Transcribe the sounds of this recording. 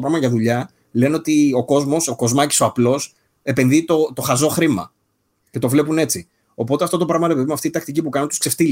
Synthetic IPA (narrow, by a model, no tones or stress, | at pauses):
opɾɐɣmɐʝɐðuʎɐ | le̞neo̞t̪io̞ko̞zmo̞so̞ko̞zmɐci̥so̞ɐplo̞s | e̞pe̞nðit̪o̞t̪o̞xɐzo̞xɾimɐ̰ | ce̞t̪o̞vle̞pune̞t͡si | o̞po̞t̪eɐft̪o̞t̪o̞pɾɐɣmɐɾepeðimɐft̪iit̪ɐkt̪icipukɐnunt̪uskseft̪il